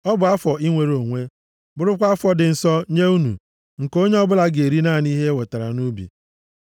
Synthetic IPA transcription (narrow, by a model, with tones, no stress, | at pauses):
ɔ˦bʊ˨a˦fɔ˨i˦ŋʷe˨ɾo˨ŋʷe˦ | bʊ˦˨ɾʊ˦kʷa˦a˦fɔ˦dɪ˨n̩˨sɔ˦ɲe˦u˦nṵ˨ | ŋ̩˨ko˦ɲe˦ɔ˦bʊ˦la˦ɡe˨ɾi˦na˦˨n˦i˦ɦe˦we˨ta˨ɾa̰˨nu˦bḭ˨